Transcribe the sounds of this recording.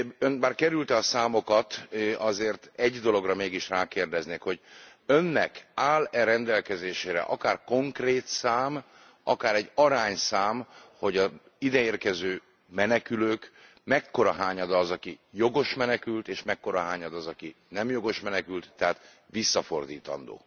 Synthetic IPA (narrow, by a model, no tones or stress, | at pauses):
ønbaːrkɛɾylt̪ɛɒsaːmo̞kɒt̪ɒzeːrt̪ɛɟd̪o̞lo̞ɡrɒmeːɡiʃraːkeːrd̪ɛzneːkho̞ɟ | ø̞nːɛ̰kaːlɛɾɛnd̪ɛlkɛzeːʃeːɾɛ̰ʔɒ̰kaːrko̞ŋkreːt̪saːm | ɒ̰kaːɾɛɟːɒɾaːɲsaːmho̞ɟɒ | id̪ɛeːrkɛzøː | mɛnɛkyløːk | mɛkːo̞ɾɒɦaːɲɒd̪ɒːzɒkijo̞ɡo̞ʃmɛnɛkylt̪eːʃmɛkːo̞ɾɒɦaːɲɒd̪ɒzɒki | nɛmjo̞ɡo̞ʃmɛnɛkylt̪ːɛɦaːt̪ | ʋisːɒfo̞rd̪iːt̪ɒ̰nd̪o̰ː